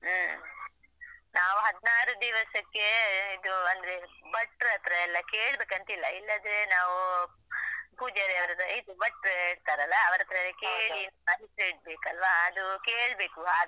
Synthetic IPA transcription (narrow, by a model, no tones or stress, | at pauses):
naːʋuɦɐd̪naːɾud̪iʋɐsɐkːe̞id̪uɐnd̪ɐɾebɐʈːɾɐt̪ɾeːlːɐkeːɭbeːkɐnt̪ilːɐilːɐd̪ɾenaːʋu | puːd͡ʒɐɾeɐʋɐɾɐd̪ɐid̪ubɐʈːɾeɽt̪aːɾɐlːɐɐʋɐɾɐt̪ɾɐlːɐkeːɭinɐaɦitɾeːʈ̚beːkɐlʋaːd̪ukeːɭbeːkuaː